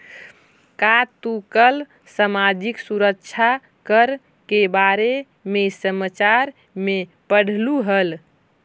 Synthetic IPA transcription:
kat̪ukəl | səmad͡ʒiksuɾəkt͡ʃʰa | kəɾ | kebaɾe | mesəmət͡ʃaɾ | me | pəɽ̤luɦəl

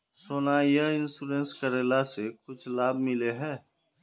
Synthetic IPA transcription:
soːnajəɪnsuɾẽnskəɾeːlasekʊt͡ʃʰlaːb̚ʱmɪleɦɛː

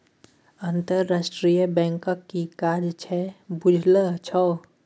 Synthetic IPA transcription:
ənt̪əɾːasʈɾijəbɛ̃ŋkəkːikad͡ʒt͡ʃʰɛbud͡ʒʱlət͡ʃʰɔ

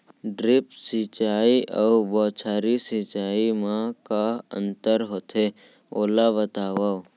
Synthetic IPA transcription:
ɖɾɪpsit͡ʃaːiʔəubɔːt͡ʃʰaːɾisit͡ʃaːimãkaə̰̃nt̪əɾɦoːt̪ʰe | oːlabət̪aːʋa

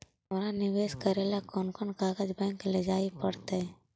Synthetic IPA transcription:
ɦɐmɾanɪʋeːʃkəɾeːlakɔːnkɔnkaːɡad͡ʒbɛ̃ːŋkləd͡ʒaːipəɽt̪ɦɛ

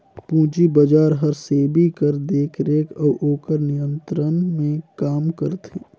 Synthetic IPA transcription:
pũːt͡ʃibɐd͡ʒaːɾɦəɾsebʱikəɾd̪eːkʰɾeːkʰɔːʔoːkəɾnijə̃nt̪ɾənmẽkaːmkəɾt̪ʰeː

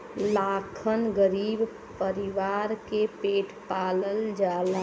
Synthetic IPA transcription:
laːkʰənɡəɾiːb | pəɾɪʋaːɾkepeːʈʰpaːləld͡ʒaːl

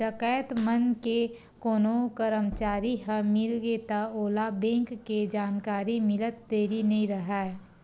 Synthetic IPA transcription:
ɾəkaːjət̪mənke | koːnokəɾəmt͡ʃaːɾiɦə̃mɪlɡet̪aoːlabẽːŋkːed͡ʒaːnkaːɾimɪlət̪d̪eːɾinɐɦĩɾəɦaɛ

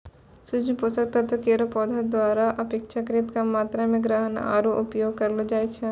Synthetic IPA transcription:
sʊd͡ʒnposɐɾt̪ɐt̪ɐkeːɾopɔːd̪ʱad̪waːɾaʔɐpekʃʰakɾɪt̪kamaːt̪ɾamẽɡɾəɦəna̰ːɾoʔʊpjoːɡ̚kɐɾlod͡ʒaːet͡ʃʰɛ

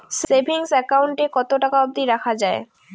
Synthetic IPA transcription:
sebʱiŋsɛkawɳʈekɔt̪oʈakaob̚d̪iɾakʰad͡ʑae

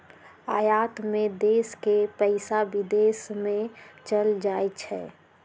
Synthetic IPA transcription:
aːjaːt̪mẽd̪eːskepəɪsabɪd̪eːsmẽt͡ʃəld͡ʒaːet͡ʃʰɛ̰ː

